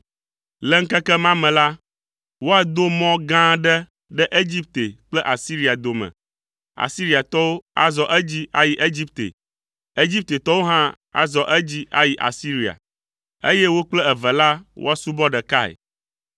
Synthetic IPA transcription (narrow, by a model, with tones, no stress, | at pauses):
lɛ˦ŋ̩˦kɛ˦kɛ˦mã˦mɛ̃˨la˦ | wo˦a˦d̪o˦mɔ̃˦ɡã˦ɖɛ˦ | ɖɛ˦ʔe˦d͡ʑi˦p̚t̪e˨k͡plɛ˦ʔa˨si˦ɾi˦a˨d̪o˨mɛ̰̃˨ | a̰˨si˦ɾi˦a˨t̪ɔ˦wo˦a̰˨zɔ˨ʔɛ˦d͡ʑi˦a˦ji˦ʔe˦d͡ʑi˦p̚t̪ḛ˨ | e˦d͡ʑi˦p̚t̪e˨t̪ɔ˦wo˦ɦã˦ | a̰˨zɔ˨ʔɛ˦d͡ʑi˦a̰˦ji˨ʔa̰˨si˦ɾi˨a̰˨ | e˦jɛ˦wo˦k͡plɛ˦ɛ˨vɛ˨la˦wo̰˦a˦su˦bɔ˦ɖɛ˨ka˦ɛ̰˨